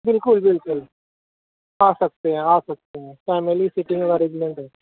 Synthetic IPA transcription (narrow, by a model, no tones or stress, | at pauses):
bɪlkʊlbɪlkʊl | aːsɐk̚t̪eɦɛ̃aːsɐk̚t̪eɦɛ̃ːfɛːmelisɪʈimẽkaɾeɡmɛ̃ɳʈɦɛː